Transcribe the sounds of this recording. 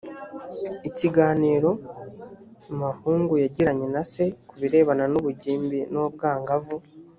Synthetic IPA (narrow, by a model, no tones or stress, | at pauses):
iciɡaːniːɾo̞ | mahuːŋɡujaɟiɾaɲe̞nase̞kuβiɾe̞ːβananuβuɟiːmbinob̚ɡaːŋɡavu